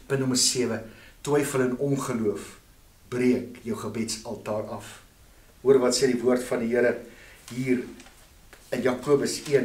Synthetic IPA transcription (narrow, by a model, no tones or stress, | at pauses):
pəntnɔmərsiəvətwɛjfələnɔnχəluəf | briəkjəwχəbɛtsɐlˠtɑːrɐf | uəɾəvɐtseːdivuərtfɐndiɦiəɾəɦiːr | ənjɑkuəbəsiən